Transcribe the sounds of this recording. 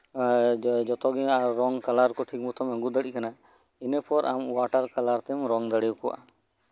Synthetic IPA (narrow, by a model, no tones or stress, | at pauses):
d͡ʒɔt̪ɔɡɛaɾːɔŋkalaɾkɔʈʰik̚mut̪ʰɔməŋɡud̪əɽikana | inəpɔɾʔamwaʈaɾkalaɾt̪ɛmɾɔŋd̪aɽɛjukɔwa̰ʔa